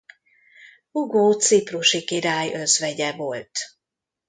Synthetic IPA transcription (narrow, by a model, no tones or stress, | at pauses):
uɡoːt̪sipruʃikiɾaːjʔøzʋɛɟɛvolt̪